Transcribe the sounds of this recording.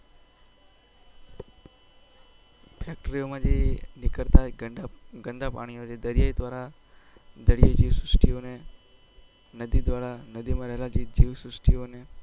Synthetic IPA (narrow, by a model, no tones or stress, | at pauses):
pʰek̚ʈɾiomãd͡ʒenɪkəɽt̪a | ɡə̃nd̪apa̰ɽ̃ijot͡ʃʰed̪əɾijaid̪ʋaɾa | d̪əɾijaid͡ʒiʋsɾʊsʈione | nəd̪id̪ʋaɾanəd̪imãɾəɦelad͡ʒid͡ʒiʋsɾʊsʈione